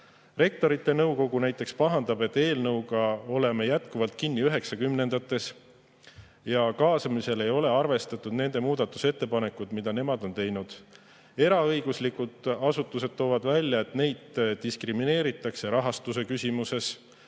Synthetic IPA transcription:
re̞k̚t̪o̞ɾit̪ːˑe̞nɤwko̞ɡunæjt̪ːˑe̞kspɑɦɑnd̪̥ɑb̥e̞t̪ːe̞ːlnɤwɡ̥ɑo̞le̞me̞jæt̪kuvɑlt̪̚kinːiyɦe̞ksɑkymne̞nd̪ɑt̪ːˑe̞s | jɑkɑːsɑmise̞le̞jo̞le̞ɑrve̞st̪ɑt̪ːˑud̪̥ne̞nd̪e̞muːd̪̥ɑt̪ːˑu̥se̞t̪ːe̞pɑne̞kud̪̥mid̪̥ɑne̞mɑd̪̥o̞nt̪e̞jnud̪̥ | e̞ɾɑɤjɡ̥uslikud̪̥ɑsut̪ːˑuse̞d̪̥̚t̪ːo̞ːvɑd̪vælʲjɑe̞t̪ne̞jd̪̥d̪̥iskrimine̞ːɾit̪ːˑɑkse̞ɾɑɦɑst̪use̞kysʲimuse̞s

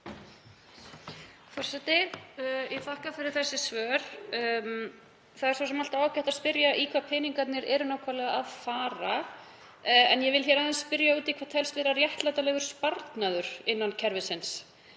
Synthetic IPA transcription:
fɔr̥sɛt̪ɪ | ɛθahkafɪɾɪɾ̥θɛsːɪsvœːɾ̥ | θaðɛɾ̥saws̬ɛmalt̪aaːwcaht̪aðspɪɾjaʔikʰvapʰɛːniŋkat̪nɪɾɛɾʏnaːwkʰvalɛɣaaðfaːɾa | ɛnjɛvɪlçɛɾaðɛnspɪɾjauːt̪ikʰvaɾt̪ʰɛlst̪vɛɾarjɛht̪lajt̪alɛɣʏɾ̥spaɾt̪naðʏɾ̥ɪnːancʰɛɾvɪsɪns

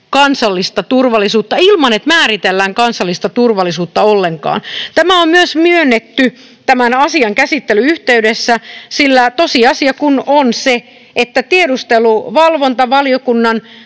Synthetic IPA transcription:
kɑnsɑlːist̪ɑt̪urʋɑlːˑisuːt̪ːɑilmɑnet̪mæːrit̪elːæːŋkɑnsɑlːist̪ɑt̪urʋɑlːisuːt̪ːɑolːeŋkɑ̰ːnt̪æmæommyøsmyønːet̪ːy | t̪æmænɑsiɑŋkæsit̪ːelyyht̪eydesːæsilːæt̪osiɑsiɑkunonse | et̪ːæt̪iedust̪eluʋɑlʋont̪ɑʋɑliokunːɑn

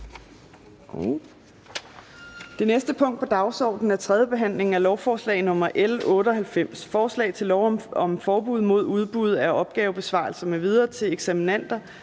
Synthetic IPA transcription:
d̥e̝nesd̥əpʰɔ̽ŋ̰d̥̚pʰɒ̽d̥ɑ̈ʊsɒ̰ːd̥n̩æɐt͡sʰʁɛð̞ˠjəb̥e̝ɦæn̰le̝ŋ̩ælɒʊfɒːslɛ̰ɪnɔ̽m̰ɐʔelɔ̽ːɾ̥əɒ̽ɦhælfem̰sfɒːslɛ̰ɪt͡sʰe̝lɒʊɒmfɒːb̥uð̞̰ˠmo̝ð̞̰ˠuð̞ˠb̥uð̞̰ˠæɐʔɒ̽b̥̚ɡ̥ɛːʊb̥e̝sʋɑ̈lsɐmeʋið̞ˠɐːt͡sʰe̝eɡ̥sæminæn̰d̥ɐ

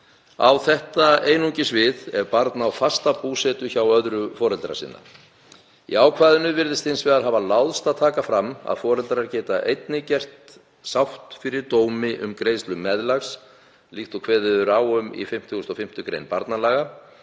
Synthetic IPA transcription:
a̰wθɛht̪aeːjnuɲcɪsvɪðɛɾpaɾt̪nawfast̪apuːsɛt̪ʏçawœðɾʏfɔːɾɛlt̪ɾa̰sɪ̰nːa̰ | ḭaːwkʰvaːðʏnʏvɪɾðɪst̪ɪnsvɛːðaɾɦavalawðst̪aðt̪ʰaːkafɾama̰ðfɔːɾɛlt̪ɾaɾcɛːt̪aʔejt̪nɪcɛr̥t̪ | sawht̪fɪɾɪɾt̪oːwmɪʔʏ̰mkɾejst̪lʏmːɛðlaxs | lixt̪ɔkʰvɛːðɪðʏɾaːwʏmḭfɪm̥t̪ʰɣʏst̪ɔfɪm̥t̪ʏkɾḛjnpaɾt̪nalaːɣa

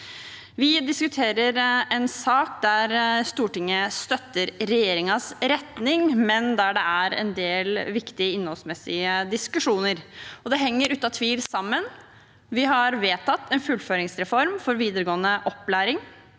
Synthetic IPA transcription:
ʋɪd̪ɪskʉt̪ʰeːɾəɾɛnsɑːk̚d̪æɾst̪uːʈɪŋːəst̪œt̪ːəɾɾɛjeːɾɪŋɑsɾɛt̪nɪŋmɛnd̪æɖɛæɾɛ̰nd̪eːlʋɪkt̪ɪəɪnːɔlsmɛsːɪəd̪ɪskʉʂuːnəɾɔd̪ɛɦɛŋːəɾʉːt̪ɑt̪ʰʋiːlsɑmːən | ʋɪɦɑɾʋeːt̪ʰɑt̪ːɛnfʉlføːɾɪŋsɾɛfɔɾmfɔɾʋiːd̪əɾəɡoːənəʔɔpːlæːɾɪŋ

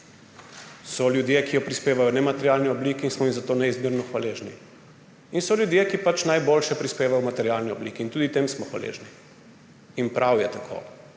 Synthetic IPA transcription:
sɔljud̪jekijɔpɾispeːʋajɔnɛmat̪ɛɾjaːlniɔblikiːnsmɔimzat̪oːnɛizmiɾnɔxʋaleʒni | insɔlʲjud̪jekipat͡ʃnajboːlʃɛpɾispeːʋajɔmat̪ɛɾjalniɔbliːkiːnt̪uːd̪it̪emsmɔxʋa̰lḛːʒni | inpɾʔawjɛt̪akʰo̰ː

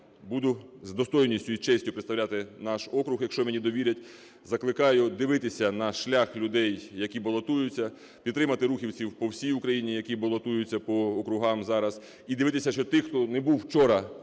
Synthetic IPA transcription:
bud̪ʊzd̪ɔst̪ɔjnʲisʲtʲʊit͡ʃɛsʲtʲʊpɾeɪt̪st̪ɐwlʲat̪ɪnɑʃɔkɾʊxjɐkʃt͡ʃɔmenʲid̪ɔʋʲiɾʲɐtʲ | zɐklˠɪkɑjʊd̪ɪʋɪt̪ɪsʲɐnɐʃlʲaxlʲʊd̪ɛjːɐkʲibɐlˠɔt̪ujʊt͡sʲːɐ | pʲid̪ɾɪmɐt̪ɪɾuxʲiwt͡sʲiwpɔwsʲijʊkɾɐjinʲijɐkʲibɐlˠɔt̪ujʊt͡sʲːɐpɔɔkɾʊɦɑmzɑɾɐz | id̪ɪʋɪt̪ɪsʲɐʃt͡ʃɔt̪ɪxt̪ɔnɛbuwt͡ʃɔɾɐ

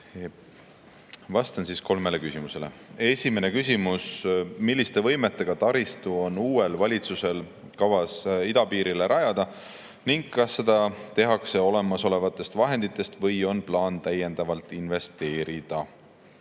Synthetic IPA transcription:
vɑst̪ɑnsiːsko̞lme̞le̞kysʲimuse̞le̞̰e̞sʲime̞ne̞kysʲimusmilʲːist̪e̞vɤ̞jme̞t̪ːe̞ɡ̥ɑt̪ɑɾist̪uo̞nuːe̞lvɑlʲit̪suse̞l | kɑvɑsid̪̥ɑpiːɾileɾʔɑjɑd̪̥ɑ | niŋɡ̥kːɑsːe̞d̪ɑt̪e̞ɦɑkse̞o̞le̞mɑso̞le̞vɑt̪ːˑe̞st̪vɑɦe̞nd̪̥it̪ːˑe̞st̪vɤ̞jo̞nplɑːnt̪æje̞nd̪̥ɑvɑlt̪ˑinve̞st̪e̞ːɾid̪̥ɑ

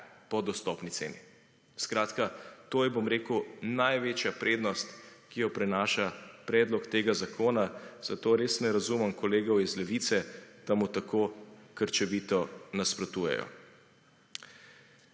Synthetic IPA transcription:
pɔd̪ɔst̪ɔpnit̪seːni | skɾaːt̪kat̪oːjɛbomɾeːkuwnajʋeːt͡ʃjapɾeːd̪nɔst̪kijɔpɾɛnaːʃapɾɛːd̪lɔkt̪eːɡazakʰoːnaz̥at̪oːɾeːsnɛɾazuməmkɔleːɡɔwizlɛʋit̪sɛd̪̥amut̪akokəɾt͡ʃɛʋiːt̪ɔnaspɾɔt̪uːjɛ̰jɔ̰

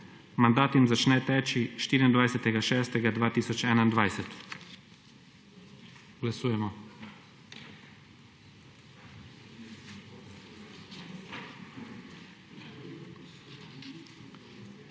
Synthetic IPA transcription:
mand̪aːt̪jimzat͡ʃnɛt̪ɛːt͡ʃiʃt̪iːɾind̪ʋajsɛt̪ɛɡaʃɛːst̪ɛɡad̪ʋaːt̪iːsɔt͡ʃɛːnaind̪ʋajsɛt̪ | ɡ̥lasuːjɛmɔ

